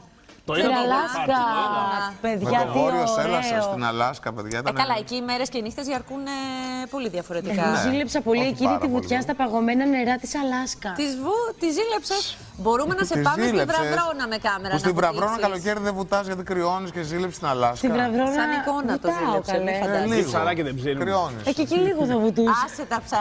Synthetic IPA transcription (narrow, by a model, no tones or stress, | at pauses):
inɐlɐskɐ | pe̞ðʝɐt̪ioselɐessot̪inɐ̰lɐskɐpeðʝɐt̪nɐlɐeciːmeɾescenixt̪ezʝɐɾkunepo̞liðʝɐfo̞ɾet̪iɐkɐozzilepsɐpo̞liecinit̪ivut̪çɐst̪ɐpɐɣo̞me̞nɐne̞ɾɐt̪i̥sɐlɐskɐt̪izvut̪izilepsɐs | bo̞ɾumenɐseizɐilevɐesonɐmekɐmeɾɐsnt̪ivɾɐvɾonɐkɐloceɾðevut̪ɐzʝɐt̪̬ikɾio̞niscezilepst̪inɐlɐst̪ivɾɐvɾonɐiko̞nɐt̪t̪ɐokɐeleɐd̪liɣɐɾɐkeðebzikɾionesececiliɣoθɐvut̪usset̪ɐsɐ